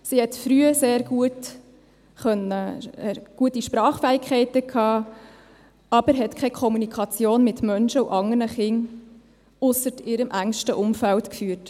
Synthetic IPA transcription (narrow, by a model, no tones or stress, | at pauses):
sihɛtfɾyːəseːɾɡuət | χœnəɛɡ̥uətiʃpɾɑːχfæikʰχɛɪtəkʰɑː | ɑbəɾɦɛtkʰɛkʰɔmunikʰɑt͡sjoːnmɪtmœnʃəṵʔɑŋərnəχɪŋ | ʊsəɾtɪːɾəmʔæŋʃtəʔʊmfæltkfyːət